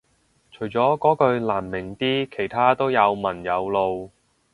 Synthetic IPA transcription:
t͡ʃʰɵ˨˩ɥt͡sɔː˨˥kɔː˨˥kɵ˧ɥlaː˨˩mːɪ˨˩ŋt̪iː˥kʰe˨˩jt̪ʰaː˥t̪o˥wjɐ˨˧wmɐ˨˩njɐ˨˧wlo˨˧w

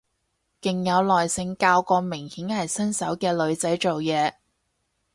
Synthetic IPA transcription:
kɪ˨ŋjɐ˨˧wlɔː˨jsɪ˧ŋkaː˧wkɔː˧mɪ˨˩ŋhiː˨˥nhɐ˨jsɐ˥nsɐ˨˥wkɛː˧lɵ˨˧ɥt͡sɐ˨˥jt͡so˨wjɛː˨˧

